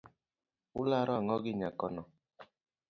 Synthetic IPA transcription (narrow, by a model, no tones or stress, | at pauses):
ulaɾɔŋɔɡɪɲakɔnɔ